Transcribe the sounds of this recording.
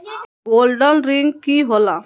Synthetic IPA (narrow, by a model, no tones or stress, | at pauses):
ɡoːlɖəlɾɪŋɡkiːɦola